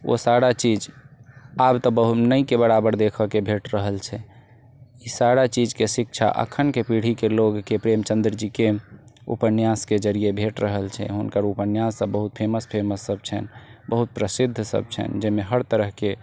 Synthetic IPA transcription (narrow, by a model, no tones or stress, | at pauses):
o̰saɾat͡ʃid͡ʒ | abt̪ɔbəɦunəikebəɽabəɾd̪ekʰəkebʱeʈɾəɦəlt͡ʃʰɛ | isaɾat͡ʃid͡ʒkesikt͡ʃʰa̰ʔə̰kʰːənkepiɽ̤ikeloɡkepɾemt͡ʃə̃nd̪ɾd͡ʒikeṵpənjasked͡ʒəɾiebʱeʈɾəɦəlt͡ʃʰɛ̰ɦunkəɾupənjasəbbəɦut̪̚pʰeməspʰeməsːəb̚t͡ʃʰɛ̰nbəɦut̪̚pɾəsid̪ʱːsə̰b̚t͡ʃʰɛ̰nd͡ʒemeɦəɾt̪əɾəɦke